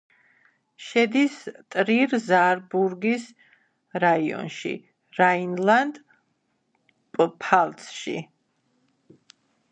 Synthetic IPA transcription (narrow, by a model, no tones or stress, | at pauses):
ʃɛd̪ist̪ʼɾiɾzaɾbuɾɡis | ɾaiɔ̰nʃḭ | ɾainland̪ | pʼpʰalˠt̪sʃḭ